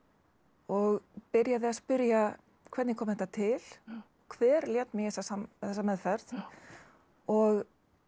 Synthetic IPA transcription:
ɔɣpɪɾjaðɪaspʏɾja | kʰvɛt̪nɪkʰɔmðθɛt̪ːat̪ʰɪl̥ | kʰvɛːɾljɛt̪mɪjɛsasamθɛs̬ːamɛðfɛɾð | ɔɣ

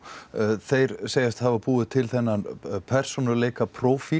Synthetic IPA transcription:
θejɾ̥seːjast̪havapuːðʏt̪ʰɪlθɛnːanpʰɛr̥sunalejkapʰɾowfi

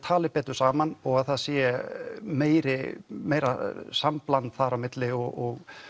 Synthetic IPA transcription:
t̪ʰaːlɪpɛːt̪ʏ̥saːmanɔɣaðθaðsjɛ | meːjɾɪmeːjɾa̰samplant̪θaɾawmɪt̪lɪɔɔɣ

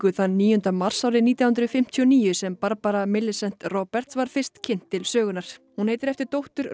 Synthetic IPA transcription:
ʏθanːiːjʏnt̪amar̥sawɾɪniːt̪jahʏnt̪ɾʏfɪm̥t̪ʰjɔniːjʏsɛmpaɾpaɾamɪlːɪsɛn̥t̪rɔːpɛr̥t̪svaɾ̥fɪr̥st̪cʰɪn̥t̪ːɪlsœːɣʏnaɾ̥hunhejt̪ɪɾɛft̪ɪɾt̪owht̪ʏɾ

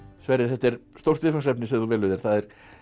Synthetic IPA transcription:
svɛɾɪɾ̥θɛht̪ːɛɾ̥st̪owr̥t̪vɪfansɛpnɪsɛθuvɛːlʏðɪɾ̥θaðɛɾ̥

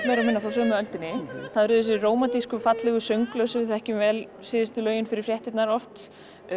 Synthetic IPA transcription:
mɛɾamɪnːafas̬œːmœlt̪ɪnːɪθaðɾʏːðʏsɛroːwmat̪iskʏfat̪lɛɣʏsœɥŋklœwsʏθɛhcɪmvɛlsɪːðɪst̪ʏlœːɥjʏnfɪɾɪɾ̥frjɛht̪ɪt̪naɾɔft̪

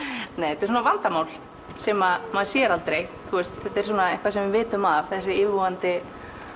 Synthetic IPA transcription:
neːjhθɛt̪ɛɾsuːnavant̪amaːwl | sɛmamaðsjɛɾalt̪ɾejt̪ʰuɛst̪θɛt̪ːɛɾ̥s̬uːnaehŋkvasɛmvɪvɪːt̪ʏmavθɛsːɪɪːvvɔant̪ɪ

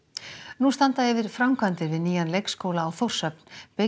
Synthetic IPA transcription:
nust̪ant̪aɛvɪɾ̥fɾawmkʰvant̪ɪɾvɪðniːjanlejkskowlaːwθowr̥sœp̚npe

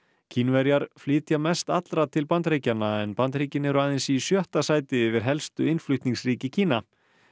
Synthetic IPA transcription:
cʰiːnvɛɾjaɾ̥flɪːt̪jamɛst̪at̪lɾat̪ʰɪlpant̪ɾeːjcanːaɛnpant̪ɾiːcɪnɛɾʏaːðɪnsisjœht̪asaːjt̪ɪʏvɪɾ̥ɦɛlst̪ʏɪjnflʏht̪niŋsriːcɪcʰiːna

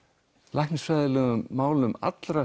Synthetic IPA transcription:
lajhknsfvajðɪlɛːɣʏmːaːwlʏma̰t̪lɾa

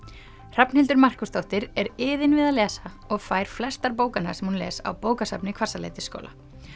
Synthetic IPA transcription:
r̥apn̥hɪlt̪ʏɾmar̥kʏst̪owht̪ɪɾɛɾɪːðɪnvɪðalɛːsa | ɔɣfaːjɾ̥flɛst̪aɾp̬oːwkana̰̥sɛmhunlɛ̰ːsa̰wpoːwkasapnɪkʰvarsalḛjt̪ɪsko̰ːwlʔa̰

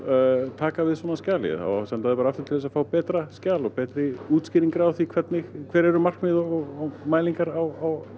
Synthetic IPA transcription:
t̪ʰaːkavɪðsvɔːnascaːlɪ̰θa̰wsɛnt̪aðɪpaɾaaft̪ʏɾ̥t̪ɪθɛsafaːwpɛːt̪ɾascaːlɔpɛːt̪ɾɪuːt̪skcɪːɾiŋkɾawθikʰv̥ɛt̪nɪɣkʰv̥ɛːɾɛɾʏmar̥kmɪðɔɔɣɔmaːjliŋkaɾawaw

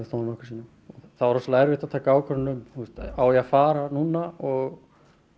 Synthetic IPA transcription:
ɪsθonmɔhksiːna | ɔθavaɾɔslajɾvɪht̪at̪ʰaːkaaːwkʰœɾnʏmθust̪awjɛafaːɾanuːnaɔɣ

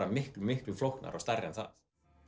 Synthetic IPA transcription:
amɪhklʏmɪhklʏflowhkna̰ɾʔɔɣst̪arːɛnθa̰θ

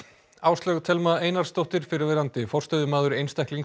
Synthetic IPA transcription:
aːwst̪lœɣt̪ʰɛlmaðeːjnaɾ̥st̪owht̪ɪɾ̥fɪɾɪɾvɛːɾant̪ɪfɔr̥t̪œðʏmaːðʏɾejnst̪ajhkliŋ

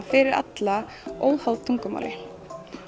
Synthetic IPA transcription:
fɪɾɪɾa̰t̪la | oːwhawðt̪ʰuŋkʏma̰ːwlɪ

